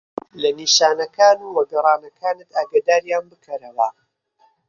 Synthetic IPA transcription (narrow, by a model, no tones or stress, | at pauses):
lɐniːʃaːnɐkaːnuːwɐɡɐrˤɑːnɐkʰaːnɨt̪aːɡad̪aːɾjaːnbɨkʰɐɾɐwɐ